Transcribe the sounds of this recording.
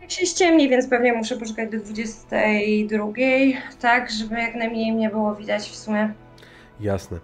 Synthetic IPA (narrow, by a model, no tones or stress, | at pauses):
jakɕɛɕt͡ɕɛmɲevʲjɛnt̪spɛvɲɛmuʂɛpɔʂukad͡ʑd̪ɔd̪vud͡ʑɛst̪ɛjd̪ɾuɡʲejt̪aɡʐɛbɘjaknamʲɲɛjmɲɛbɘwɔvʲid̪at͡ɕfsumʲjɛ | ja̰snɛ̰